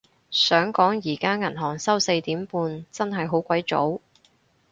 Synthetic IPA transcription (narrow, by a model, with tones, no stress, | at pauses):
sœː˨˥ŋkɔː˨˥ŋjiː˨˩kaː˥ŋɐ˨˩nɦɔː˨˩ŋsɐ˥wse˧jt̪iː˨˥mpuː˧nt͡sɐ˥nɦɐ˨jɦo˨˥wkʷwɐ˨˥jt͡so̰˨˥w